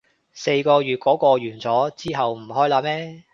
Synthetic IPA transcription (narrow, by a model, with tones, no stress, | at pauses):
se˧jkɔː˧ɥyː˨t̚kɔː˨˥kɔː˧ɥyː˨˩nt͡sɔː˨˥t͡siː˥ɦɐ˨wm̩˨˩ɦɔː˥jlaː˧˥mɛː˥